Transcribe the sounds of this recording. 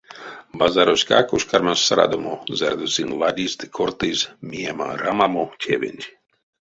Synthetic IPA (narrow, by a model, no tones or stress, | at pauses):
bazaɾosʲka̰koʃkaɾmassaɾa̰d̪omozɛɾd̪osinlˠadʲisd̪ɨkʰoɾt̪ezmiama̰ɾamamotʲʰeʋḛnʲtʲ